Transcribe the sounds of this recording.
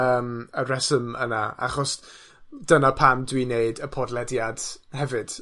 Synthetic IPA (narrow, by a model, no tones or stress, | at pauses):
əːməɾɛsəməna̰a̰χɔs | d̥ənapʰamdwineɨdəpʰɔdlˠɛdjad̥hɛvɨd̥